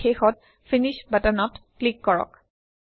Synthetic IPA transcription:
xexɔt̚ | finiʃbatanɔtklikːɔɹɔ̰k

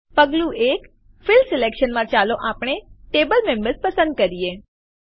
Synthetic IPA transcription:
pəɡlũek | fɪlsɪlekʃənmãt͡ʃaloʔapɳ̃eʈebəlmembəɾspəsə̃nd̪̚kəɾie

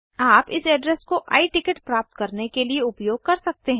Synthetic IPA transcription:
aːpɪsɛːɖɾɛskoʔa̰ːiʈɪkəʈpɾaːp̚t̪kɐɾnekelieʊpjoːɡ̚kɐɾsɐk̚t̪eɦɛ̃ː

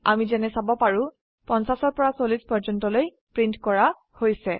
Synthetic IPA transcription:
a̰mizɛnɛsabɔpaɹu | pɔnsasɔɹpɔɹasolispɔɹd͡ʒɔntɔloj | pɹintkɔɹa | hojsɛ

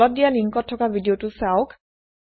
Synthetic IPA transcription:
ɔt̚dijaliŋkɔtʰːɔkabʱidiotusaʊk

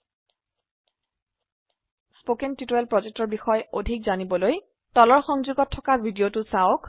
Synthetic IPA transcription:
spokɛntitoɛlpɹɔzek̚tɔɹbixɔjodʱikzanibɔloj | tɔlɔɹxɔŋzuɡɔtʰːɔkaɹbʱidiotʊsaok

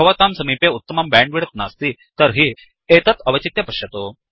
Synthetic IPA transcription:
ɐʋɐt̪amsɐmipeut̪ːəmɐmbɛ̃ɳɖʋiɽət̪nast̪iː | t̪əɾɦiː | et̪ət̪ɐʋɐt͡ɕit̪jɐpɐʂɕjɐt̪o

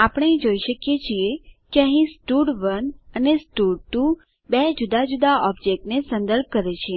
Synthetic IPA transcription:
apəɽ̃ed͡ʒoiʃəkjet͡ʃʰiekeə̃ɦĩsʈuɽʋənənesʈuɖʈu | bed͡ʒud̪ad͡ʒud̪aɔbd͡ʒek̚ʈnesə̃nd̪əɾb̚kəɾet͡ʃʰie

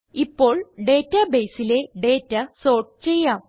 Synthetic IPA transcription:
ipːo̞ːɭɖe̞ːtːɐbe̞ːsile̞ɖe̞ːtːɐso̞ːrʈt͡ɕejːaːm

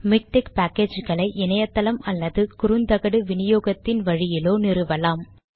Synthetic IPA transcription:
mɪk̚ʈɛkpaːkeːd͡ʒɣɐɭɐɪʔɪnɐjɐt̪ːɐlɐmɐlːɐðɯkʊɾɯnd̪ɐɣɐɽɯʋɪnɪjoːɣɐt̪ːɪnʋɐɻɪjɪloːnɪɾɯʋɐlaːm

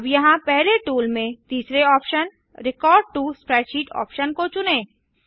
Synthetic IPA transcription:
ɐbjɐɦãpɛɦleʈuːlmẽt̪iːsɾeɔːpʃən | ɾɪkɔːɾɖ̚ʈuspɾɛːt͡ʃiːʈɔ̰ːpʃənkot͡ʃʊnẽː

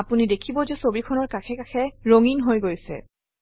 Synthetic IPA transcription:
apunidekʰibɔzɛsobikʰɔnɔɹkakʰɛkakʰɛɹoŋinɦojɡojsɛ̰

